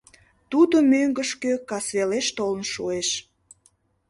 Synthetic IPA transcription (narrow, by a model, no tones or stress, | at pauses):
t̪ud̪omøŋɡəʃkøkɑsβeleʃt̪olənʃueʃ